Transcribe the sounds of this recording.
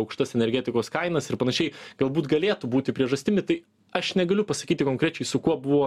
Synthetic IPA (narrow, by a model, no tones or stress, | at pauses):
ɐʊkʃt̪ɐsɛnʲɛɾʲɡʲɛt̪ʲɪkoːskɐɪnɐsɪɾpɐnɐʃʲɛɪɡ̥ɐlˠbuːt̪ɡɐlʲeːt̪ubuːt̪ʲɪpʲɾʲiɛʒɐsʲt̪ʲɪmʲɪt̪ɐɪ | ɐʃnʲɛɡɐlʲʊpɐsɐ̥kʲiːt̪ʲɪkoːŋkɾʲɛt͡ʃʲɛɪsʊkuɔbʊʋoː